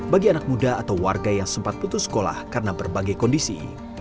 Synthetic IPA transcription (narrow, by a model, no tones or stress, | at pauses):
baɡianak̚mudaat̪awwarɡajaŋsəmpat̪̚put̪ʊsːə̥kola̰hkaɾənabərbaɡajkɔndisḭ